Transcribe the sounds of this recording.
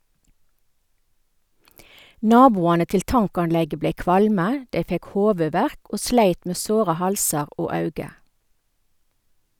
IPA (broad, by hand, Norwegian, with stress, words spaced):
ˈnɑːbuːɑnə ˈtɪl ˈtɑŋkɑnˌlɛɡə ˈbleɪ ˈkʋɑlmə ˈdɛ ˈfɛk ˈhoːʋʉˌʋæʁk ˈoː ˈʃleɪt ˈmeː ˈsoːʁə ˈhɑlsɑʁ ˈoː ˈɑʉɡə